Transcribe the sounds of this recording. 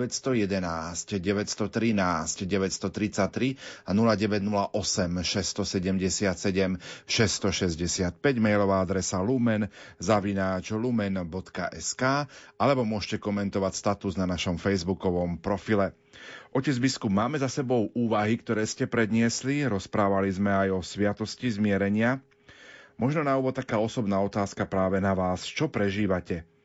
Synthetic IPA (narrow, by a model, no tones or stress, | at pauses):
ɛst̪ɔjɛd̪ɛnaːscɟɛʋɛcst̪ɔt̪ɾinaːscɟɛʋɛcst̪ɔt̪ɾit͡sact̪ɾianulaɟɛʋɛɟnulaʔɔsɛmʃɛst̪ɔsɛɟɛmɟɛsɪat̪sɛɟɛmʃɛst̪ɔʃɛzɟɛsɪat̪̚pɛɟmɛjlɔʋaːad̪ɾɛsalumɛnzaʋinaːt͡ʃlumɛnbɔt̪ka̰ʔɛskaːalɛbɔmʊɔʒcɛkɔmɛnt̪ɔʋacst̪at̪uznanaʃɔmfɛjzbukɔʋɔmpɾɔfilɛ | ʔɔcɛzbiskubmaːmɛzasɛbɔʊʔuːʋaɦikt̪ɔɾɛːscɛpɾɛd̪ɲɪɛsliɾɔspɾaːʋalizmɛajɔsʋɪat̪ɔscizmɪɛɾɛɲɪa | mɔʒnɔnauʋɔt̪t̪ːakaːɔsɔbnaːɔt̪aːskapɾaːʋɛnaʋaːst͡ʃɔpɾɛʒiːʋacɛ